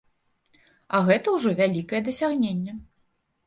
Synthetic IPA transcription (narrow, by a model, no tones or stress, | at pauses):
ɐɣɛt̪ɐwʐɔvʲalʲikɐjɛd̪ɐsʲaɣnʲenʲːɛ